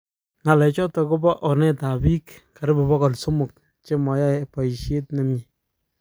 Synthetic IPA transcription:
ŋa˨lɛ˨t͡ʃɔ˦tɔ˨kʊ˦bɔ˦ʔɔ˨nɛ˦ta˨bi˦kka˨ɾɪ˦bɪ˨bɔ˦kɔ˨lso˦mʊ˨k̚ | t͡ʃe˦mɔ˨ja˦pa˨i˨ʃje˦tne˨mɲi˨

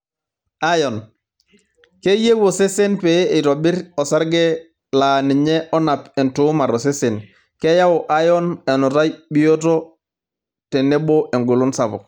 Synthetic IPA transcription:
a˦jo˨n | ke˦je˦wo˨se˦se˦npe˨˦i˨to˨bi˦ɾo˨sa˦ɾɡe˦ | la˨ni˨ɲe˦ʔo˦na˨pɛ˨ntuː˦ma˨ɾo˨se˦se˨n | ke˦ja˦o˨ʔa˦jo˦ne˨nu˨ta˦jbi˦o˦to˦ | te˨ne˦bo˦ʔe˨ŋɡu˨lu˦nsa˨po̰˨k̚

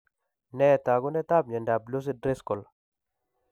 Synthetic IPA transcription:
nɛ˦˨t̪a˨ɡu˦nɛ˦t̪a˦b̚ɲe˨nda˨blo˦s̬i˦dɾe˦skɔ˨l

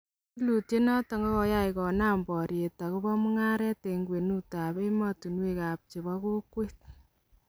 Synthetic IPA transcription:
lu˨tje˦nɔ˦tɔ˨ŋɡɔ˦kɔ˨ja˦ɪkɔ˨na˦mbɔ˨ɾje˨ta˨kʊ˦bɔ˦mu˦ŋa˦ɾɛ˦te˨ŋɡwe˨nu˦ta˨be˦ma˦tu˨nwe˦ka˨p̚t͡ʃi˨βɔ˦ko˦kwe˦t̚

